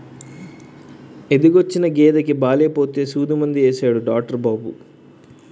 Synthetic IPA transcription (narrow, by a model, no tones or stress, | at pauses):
ed̪iɡot͡ʃːinɐɡeːd̪ɐkibaːleːpo̞ːt̪eːsuːd̪imɐnd̪ieːsaːɽuɖaːk̚ʈɐɾbaːbṵ